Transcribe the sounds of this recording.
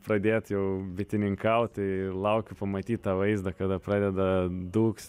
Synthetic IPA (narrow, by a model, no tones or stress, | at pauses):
pɾɐd̪ʲeːt̪jɛʊbʲɪt̪ʲɪnʲɪŋkɐʊt̪ʲlˠɐʊkʲʊpɐmɐt̪ʲiːt̪̚t̪ɑːʋɐɪzd̪ɐkɐd̪ɐpɾɑːd̪ʲɛd̪ɐd̪uːks